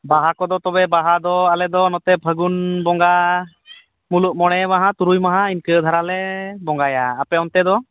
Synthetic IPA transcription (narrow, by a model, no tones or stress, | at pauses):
baɦakɔd̪ɔt̪ɔbɛbaɦad̪ɔalɛd̪ɔnɔt̪ɛbʱəɡunbɔŋɡa | muluʔ̚mɔɽ̃ɛmaɦat̪uɾujmaɦainkəd̪ʱaɾalɛbɔŋɡajaːpɛɔnt̪ɛd̪ɔ